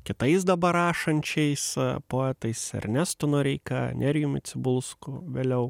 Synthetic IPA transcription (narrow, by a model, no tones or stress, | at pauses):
kʲɪt̪ɐɪs̬d̪ɐbɐɾɑːʃɐnʲt͡ʃʲɛɪspoːɛːt̪ɐɪsɛ̰rʲnʲæst̪onoːɾʲɛɪkɐ̰nʲɛɾʲjʊmʲɪt̪sʲɪbʊlˠskʊʋʲeːlʲɛʊ